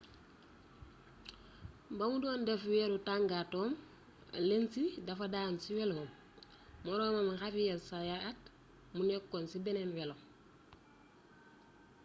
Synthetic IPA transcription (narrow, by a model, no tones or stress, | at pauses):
bamudoːndefweɾutaŋɡatoːm | a̰lensidafadansiweloom | moɾoːmamaŋxafijelsajaat | munekːonsibenenwelom